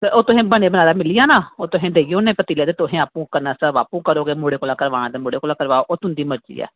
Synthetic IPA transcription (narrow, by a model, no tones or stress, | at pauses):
keʔoːt̪ʊɦẽːbəɳ̃eːbənaːd̪aːmɪlɪjaːnaːoːt̪ʊɦẽːd̪eːijõːnẽːpət̪iːleːd̪eːt̪ʊɦẽːaːpũːkənãːsəʋa̰ːpũːkəɾoːɡeːmoːɽeːkoːlãːkəɾʋaːɽ̃ãːd̪eːmoːɽeːkoːlãːkəɾʋaːoʔoːt̪ʊnd̪iːməɾt͡ʃḭːɛ̰ː